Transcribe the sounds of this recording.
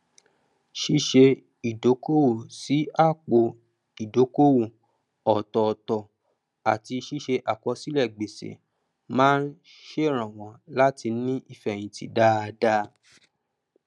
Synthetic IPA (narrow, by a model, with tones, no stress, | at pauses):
ʃi˧ʃe˧ | i˨do˨˦ko˦wo˦˨si˨˦a˦˨k͡po˨ | i˨do˨˦ko˦wo˨ | ɔ˨tɔ˨tɔ˨ | a˨ti˧ʃi˦ʃe˧ʔa˨kɔ˧si˦lɛ˦˨ɡ͡be˨sḛ˨ | mãː˦n̩˦ | ʃe˦˨ɾ̃ã˨w̃ɔ̃˨la˦ti˧˦nĩ˦ʔi˦˨fɛ˨j̃ĩ˨ti˨da˦˧da˦